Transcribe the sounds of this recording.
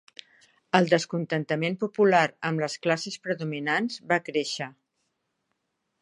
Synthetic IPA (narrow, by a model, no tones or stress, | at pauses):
əlˠd̪əskunt̪ənt̪əmempupulaɾəmləsklasespɾəðuminanzβakɾeʃə